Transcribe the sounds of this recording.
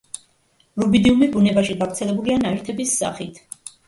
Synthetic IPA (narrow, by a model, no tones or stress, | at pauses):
ɾubid̪iumibunɛbaʃiɡavɾt̪sʰɛlɛbulianaɛɾt̪ʰɛbisːa̰χit̪ʰ